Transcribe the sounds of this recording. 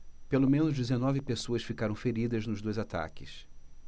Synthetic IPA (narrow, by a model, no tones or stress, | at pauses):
pelomẽnʊzd͡ʒizenɔvɪpesoɐsfikaɾɐ̃w̃feɾid̪ɐznʊzd̪ojzat̪a̰kɪs